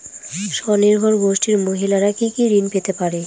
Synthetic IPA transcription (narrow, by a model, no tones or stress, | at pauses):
ʃɔniɾbʱɔɾɡoʃʈiɾmoɦilaɾakikiɾinpet̪epaɾe